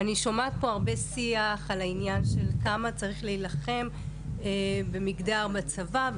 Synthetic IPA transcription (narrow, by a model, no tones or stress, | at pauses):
aniʃomaːt̚po̞aʁbe̞siaχalainjanʃe̞lkamat͡saʁiχleilaχe̞m | ebe̞miɡdaʁbat͡sava